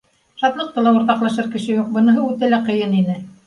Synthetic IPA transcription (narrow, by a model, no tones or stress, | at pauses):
ʃɑt̪lˠɤ̆q̚t̪ɤlˠɑuŏɾt̪ɑqlˠɑʃɤɾkɘ̆ʃɘ̆juq̚bɤ̆nɤ̆ɦɤʉt̪ælæqɤ̆jɤninɘ